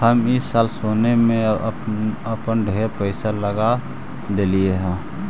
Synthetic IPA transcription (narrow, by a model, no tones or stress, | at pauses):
həmisaːlsonemẽ | əpənɖʱeɾpəɪsaləɡa | d̪elieɦɛ̃